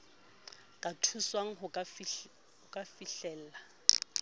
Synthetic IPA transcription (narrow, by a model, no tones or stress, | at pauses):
kʼatʰuswaŋ̩ɦʊ | hʊkʼafiɬɛl̩ːla